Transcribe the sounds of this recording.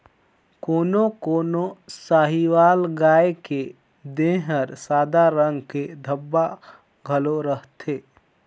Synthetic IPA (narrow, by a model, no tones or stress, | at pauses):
koːnokoːnosaːɦiwaːlɡaːeke | d̪ẽɦəɾsaːd̪aɾə̃ŋɡked̪ʱəbːa | ɡʱəloɾəɦt̪ʰeː